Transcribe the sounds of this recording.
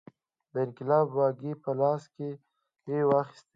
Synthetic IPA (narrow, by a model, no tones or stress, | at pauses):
d̪əɪnkɪlɑːbːɑɡipəlɑske | hewɑxɪ̥st̪